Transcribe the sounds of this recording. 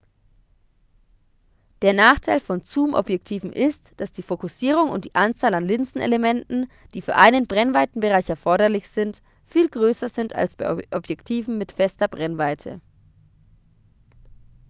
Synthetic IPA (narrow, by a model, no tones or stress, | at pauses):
d̥eːɐnaːχtʰaɪlfɔnt͡suːmʔɔ̰bjɛktʰiːvn̩ʔɪstd̥asd̥iːfokʊsiːʁ̞ʊŋʊ̰ntd̥iːʔant͡saːlanlɪnt͡sn̩ʔḛlemɛntn̩ | d̥iːfyːɐʔaɪnənbʁɛnvaɪtn̩bəʁaɪçɛɐfɔɐɾɐlɪçz̥ɪnt | fiːlɡʁøːsɐzɪnta̰lsb̥aɪʔʔɔbjɛktʰiːvm̩mɪtfɛstɐbʁɛnvaɪtʰə̰